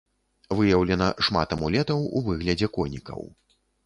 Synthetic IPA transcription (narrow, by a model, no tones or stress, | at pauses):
vɨjɐwlʲɛnɐʂma̰t̪ɐmulʲɛt̪ɐwuvɨɣlʲɐd͡zʲɛkɔnʲikɐ̰w